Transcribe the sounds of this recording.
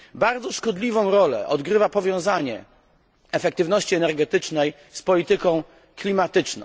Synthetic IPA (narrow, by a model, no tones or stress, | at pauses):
baɾd̪zɔʂkɔd̪lʲivɔ̃w̃ɾɔlɛ̰ʔɔd̪ɡɾɘvapɔvʲjɔ̃w̃zaɲɛ̰ | ɛfɛk̚t̪ɘvn̪ɔɕt͡ɕiɛnɛɾɡɛt̪ɘt͡ʂnɛj | spɔlʲit̪ɘkɔ̃w̃ | klʲimat̪ɘt͡ʂnɔ̰̃w̃